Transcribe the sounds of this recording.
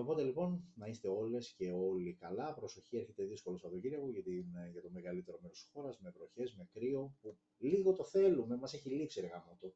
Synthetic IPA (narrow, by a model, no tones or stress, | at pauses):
opo̞t̪e̞lipo̞nnɐist̪e̞o̞le̞sce̞o̞likɐlɐpɾo̞so̞çieɾçe̞t̪e̞ðiskolosɐpo̞t̪ociɾiɐɣuʝɐt̪inʝɐt̪o̞me̞ɣɐlit̪e̞ɾo̞meɾost̪i̥sxo̞ɾɐzme̞vɾo̞çe̞zme̞kɾio̞pu | liɣo̞t̪o̞θe̞lume̞mɐse̞çilipsieɾɣɐno̞t̪o